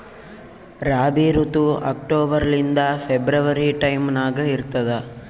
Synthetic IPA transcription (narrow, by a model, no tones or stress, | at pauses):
ɾaːbiːɾut̪uɐ̰k̚ʈoːbɐɾɐlind̪ɐpʰebɾɐʋɐɾiʈɐjmnaːɡɐiɾt̪ɐd̪ɐ